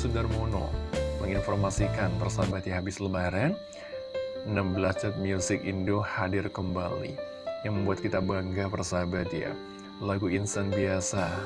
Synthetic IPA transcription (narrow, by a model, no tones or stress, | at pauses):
sudarmono̰məŋinfɔrmasikanpərsaɦabat̪jaɦabɪsləmaɾɛn | nambəlat͡ʃat̪̚mjusɪkindohadɪrkəmbalḭ | jaŋməmbuat̪̚kit̪abaŋɡapərsaɦabat̪ja̰ | laɡuinsanbiasa